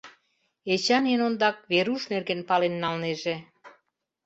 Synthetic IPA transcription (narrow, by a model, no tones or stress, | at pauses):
et͡ɕɑnenond̪ɑk̚βeɾuʃnerɣenpɑlenːɑlneʒe